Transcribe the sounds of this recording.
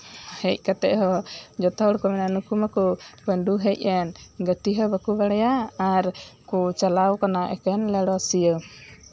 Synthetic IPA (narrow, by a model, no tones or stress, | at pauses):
hɛc̚ˀkat̪ɛ̰ʔɦɔd͡ʒɔt̪ɔhɔɽɔkɔmɛnanukumakɔbənɖuɦɛc̚ˀɛnɡət̪iɦɔbəkubaɽɛjaːɾkut͡ʃalawkanaʔɛ̰kɛnlɛɽɔasijə